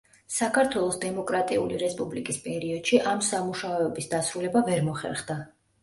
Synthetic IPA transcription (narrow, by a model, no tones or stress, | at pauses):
sakʰaɾt̪ʰwɛlˠɔsd̪ɛmɔkʼɾat̪ʼiuliɾɛspʼublikʼispʼɛɾiɔd̪̥ʃiʔamsamuʃaɔɛbisd̪asɾulɛbavɛɾmɔχɛ̰ɾχd̪a